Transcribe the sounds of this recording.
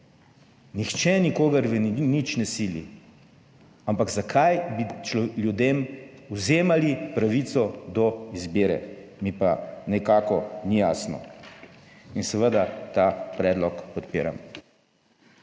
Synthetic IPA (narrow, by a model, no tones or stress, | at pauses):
nixt͡ʃɛnikoːɡɐɾʋnit͡ʃnɛsiːlḭ | ampakzakʰajbit͡ʃljud̪emuzeːmalipɾaʋit̪sɔd̪ɔizbeːɾɛ̰mipanɛkaːkɔnijaːsnɔ̰ | insɛʋəd̪at̪apɾɛːd̪lɔkpɔt̪piːɾa̰m